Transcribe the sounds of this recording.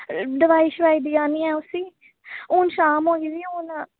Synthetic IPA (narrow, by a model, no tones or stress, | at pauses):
ɖəʋaːiːʃʋaːiːd̪iːaːniːɛːʊsiː | ʊːnʃaːmoːiːziːoːn